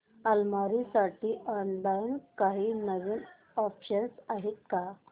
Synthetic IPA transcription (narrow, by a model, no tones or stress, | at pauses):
əlmaɾisaʈʰiːʔɔnlainkaɦiːnəʋiːn | ɔpʰɕənsaɦet̪̚ka